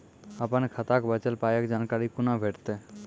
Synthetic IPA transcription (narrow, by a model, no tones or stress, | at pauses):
əpankʰət̪akbət͡ʃəlpajekd͡ʒankaɾikunabʱeʈt̪e